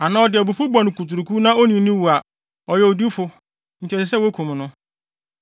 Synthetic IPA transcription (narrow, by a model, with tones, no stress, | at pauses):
a˨nãː˦ɔ˦dɪ˨bu˨fu˦bɔ̃˨nʊ̃˨ku˨tu˨ɾu˨kʰu˦nã˦o˦nĩ˨˦nĩ˦wu˨a˨ | ɔ˨jɛ˨o˨di˦fʊ˦ | n̩˨t͡ɕʰɛ˨sɪ˨s̬ɛ˦wo˦kʰũ˨m˨nʊ̃˦